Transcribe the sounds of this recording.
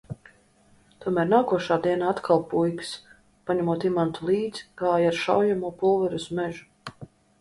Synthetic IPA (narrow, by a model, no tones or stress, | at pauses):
t̪uɔmæːɾnaːkuɔʃaːd̪iɛnaat̪kʰalˠpujks | paɲɛmuɔt̪imant̪ulˠiːd̪z̥kaːjaɾʃa̰wjamuɔpulˠvɛɾusmɛʒu